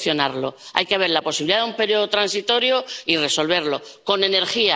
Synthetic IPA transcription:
θjo̞naɾloa̰jkeaβ̞e̞ɾlapo̞siβiliðaðumpe̞ɾjo̞ðot̪ɾansit̪o̞ɾjoire̞so̞lβ̞e̞ɾlo̞ | ko̞ne̞ne̞ɾxia

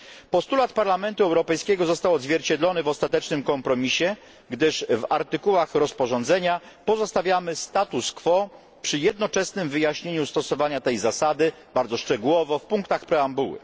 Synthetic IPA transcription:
pɔst̪ulat̪paɾlamɛnt̪uɛwɾɔpɛjskʲɛɡɔzɔst̪awɔd̪zvʲjɛɾt͡ɕɛd̪lɔnɘvɔst̪at̪ɛt͡ʂnɘmkɔmpɾɔmʲiɕɛ | ɡd̪ɘʂvaɾt̪ɘkuwaxɾɔspɔʐɔnd̪zɛɲa | pɔzɔst̪avʲjamɘst̪at̪uskfɔ | pʂɘjɛd̪nɔt͡ʂɛsnɘmvɘjaɕɲeɲust̪ɔsɔvaɲat̪ɛjzasad̪ɘ | baɾdzɔʂt͡ʂɛɡuwɔvɔfpuŋkt̪axpɾɛambuwɘ̰

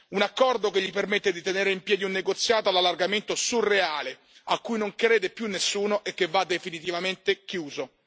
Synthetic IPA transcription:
unakːɔrd̪okeʎːipermet̪ːed̪it̪eneːɾeimpjɛːd̪iunːeɡot̪sːjaːt̪oalalːarɡament̪osurːeaːle | akːujnoŋkɾeːd̪epjunːesːuːnoʔekːevːad̪ːefinit̪̬ivament̪ekjuːzo

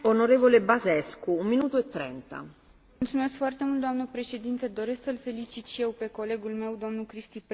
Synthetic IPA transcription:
onoɾeːvolebazɛskuːmmːinuːt̪uet̪ːɾɛnt̪a̰ | ult̪sumeskfoart̪emult̪d̪oamnəpɾeʃe̞d̪int̪ed̪o̞ɾesksəlfe̞lit͡ʃit̪ʃijewpe̞ko̞leɡulme̞wd̪o̞mnukɾist̪ip

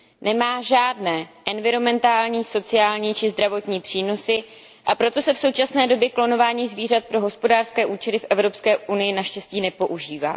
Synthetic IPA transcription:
nɛmaːʒaːdnɛːʔɛnvɪɾo̞mɛnt̪aːlɲiːso̞t͡sɪjaːlɲiːt͡ʃɪzd̪ɾavo̞t̪ɲiːpr̥iːno̞sɪ | ʔapɾo̞t̪o̞sɛfso̞wt͡ʃasnɛːdobjɛklo̞no̞vaːɲiːzviːrat̪̚pɾo̞ɦo̞spo̞daːrskɛːʔuːt͡ʃɛlɪfʔɛvɾo̞pskɛːʔunɪjɪnaʃcɛsciːnɛpo̞ʔuʒiːva̰ː

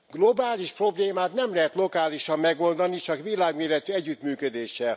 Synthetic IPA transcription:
ɡlo̞baːliʃpro̞bleːmaːt̪nɛmlɛɦɛt̪lo̞kaːliʃɒmːɛɡo̞ld̪ɒnit͡ʃɒkʋilaːɡmeːɾɛt̪yɛɟːyt̪myːkød̪eːʃɛl

